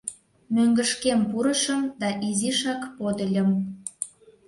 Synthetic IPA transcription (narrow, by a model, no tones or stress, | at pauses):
møŋɡəʃkempuɾəʃəmd̪ɑʔiziʃɑkpod̪əlʲə̆m